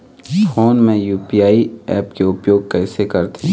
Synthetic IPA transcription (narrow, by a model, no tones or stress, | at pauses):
oːnmẽjuːpijaːiɛːpkeʊpjoːɡ̚kɛːsekɐɾt̪ʰĩ